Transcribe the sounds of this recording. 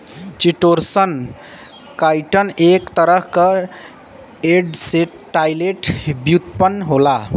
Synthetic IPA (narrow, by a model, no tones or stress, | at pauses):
t͡ʃiʈoɾsən | kajʈʌnekt̪ʌɾəɦkʌ | eɖse | ʈajleʈbjut̪pənɦola